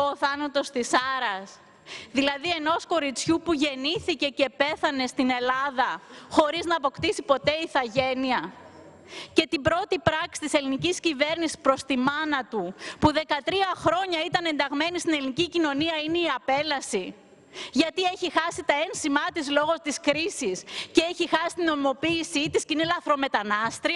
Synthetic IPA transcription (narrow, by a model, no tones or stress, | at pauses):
oːθɐnɐt̪o̞st̪isɐɾɐs | ðilɐðie̞no̞sko̞ɾit͡sçupuʝe̞niθice̞ce̞pe̞θɐne̞st̪ine̞lɐðɐxo̞ɾiznɐːpo̞kt̪isipo̞t̪e̞iθɐʝe̞niɐ | cet̪ibɾo̞t̪ipɾɐksi̥t̪iseliniciscive̞ɾnisi̥spɾo̞st̪imɐnɐt̪upuðe̞kɐt̪ɾiɐxɾo̞ɲɐit̪ɐne̞nd̪ɐɣme̞nist̪ine̞linicicino̞niɐineiɐpe̞lɐsi | ʝɐt̪ie̞çixɐsit̪ɐe̞nsimɐt̪izlo̞ɣo̞t̪iskɾisisceeçixɐsist̪ino̞imo̞piːsit̪iscinilɐθɾo̞me̞t̪ɐnɐst̪ɾi